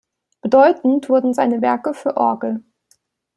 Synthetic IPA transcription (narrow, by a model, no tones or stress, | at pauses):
b̥ədɔʏtn̩tv̥ʊɐdn̩zaɪnəvɛɐkəfyːɐʔɔɐɡl̩